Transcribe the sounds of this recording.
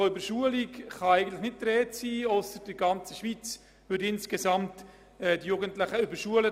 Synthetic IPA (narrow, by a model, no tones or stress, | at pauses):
oʏbəɾʃuəlikχɑæɪɡən̩tlɪχnɪt̚t̪ɾɛːtsiːɔsəɾd̥ɪɡɑnt͡səʃʋit͡s | ʋʏɾɪnskesɑmt | ɛdijuɡən̩tlɪχəybəɾʃuələ